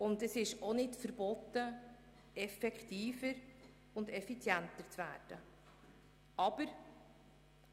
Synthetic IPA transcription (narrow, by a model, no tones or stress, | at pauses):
ʊndɛsɪʃonɪtfəɾb̥ɔt̪ːə | ɛfɛktiːfəɾ | ʊndɛfit͡sjɛntəɾt͡sʋæ̰ːɾd̥ə | ɑb̥əɾ